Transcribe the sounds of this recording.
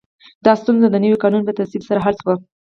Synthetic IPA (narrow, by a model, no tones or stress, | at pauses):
d̪ɑst̪unzad̪ənəwikɑnunlət̪afsilsaɾaɦalt̪wa